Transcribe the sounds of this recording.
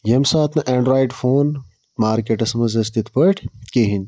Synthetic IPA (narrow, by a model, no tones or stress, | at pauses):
jɐmsaːt̪nɐʔeːɳɖɾaːiɖfoːn | maːɾkeʈɐsmɐzɐst̪it̪pɐʈʰkeɦin